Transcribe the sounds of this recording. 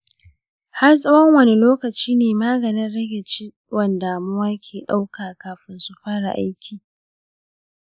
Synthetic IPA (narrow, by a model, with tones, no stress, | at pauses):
ha˦rs̬ʼɐ˦wɐ˦ŋwɐ˦ni˦loː˦kɐ˨t͡ʃiː˦neː˨maː˦ɡɐ˨nɪ˦nɽɐ˦ɡʲe˨t͡ʃi˦ | wɐ˨ndaː˨mʊ˦waː˦kʲʰeː˨ɗa˦wkaː˨kaː˨ɸɪ˦nsu˨ɸaː˦ɽa̰˨ʔa̰˦jkʲʰiː˨